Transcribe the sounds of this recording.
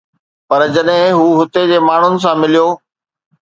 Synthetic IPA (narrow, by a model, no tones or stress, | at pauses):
pɐɾd͡ʑɐɗɦɪ̃ɦuːɦʊt̪ed͡ʑeːmaːɳ̤ʊnɪ̆s̬ãmɪlijoː